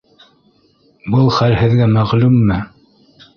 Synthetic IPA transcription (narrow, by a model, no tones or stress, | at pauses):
bɤlˠχælhɘ̆ðɡæmæʁlʉmːɘ